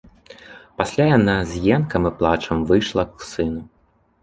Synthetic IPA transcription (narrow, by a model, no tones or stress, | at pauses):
pasʲlʲajanazʲjɛnkɐmɨplˠat͡ʂɐmvɨjʂlˠɐwsɨnu